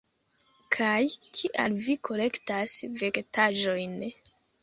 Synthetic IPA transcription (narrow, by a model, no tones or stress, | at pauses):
kʰajkʰiʔalvikʰo̞le̞ktasve̞ɡtʰaʒo̞jn